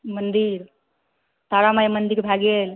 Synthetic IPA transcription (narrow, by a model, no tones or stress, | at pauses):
mɐnd̪iɾ | t̪aːɾamajemənd̪iɾbʱaɡeːl